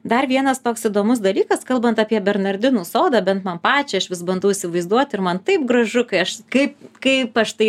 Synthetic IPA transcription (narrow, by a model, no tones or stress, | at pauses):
d̪ɐrʋʲiɛnɐst̪oːksɪd̪oːmʊsd̪ɐlʲiːkɐskɐlˠbɐnt̪ɑpʲiɛbʲɛrnɐrʲd̪ʲɪnuːsoːd̪ɐːbʲɛnt̪mɐnpɑːt͡ʃʲɛɐʃʋʲɪsbɐnd̪ɐʊɪsʲɪʋɐɪzd̪uɔt̪ʲɪɾmɐnt̪ɐɪp̚ɡɾɐʒʊkɐɪɐʃkɐɪpkɐɪpɐʃt̪ɐɪ